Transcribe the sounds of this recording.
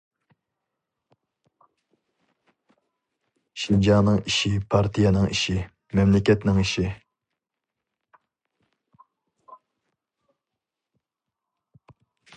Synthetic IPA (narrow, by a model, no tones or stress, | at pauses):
ʃind͡ʒɑːnɨŋiʃipʰɑɾt̪ʰijɑnɨŋḭʃi | mɛmlɪkʲɛt̪nɪŋiʃi